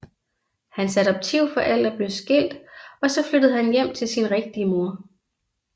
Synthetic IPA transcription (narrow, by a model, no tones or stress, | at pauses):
hænsæɾɒ̽b̥̚t͡sʰiʊ̰fɒ̽ʔæl̰d̥æb̥le̝ʊsɡ̥e̝l̰d̥ɒ̽sɒ̽flød̥əð̩ˠhænjem̰t͡sʰe̝lsinʁeɡ̥̚d̥iəmo̝ɐ̰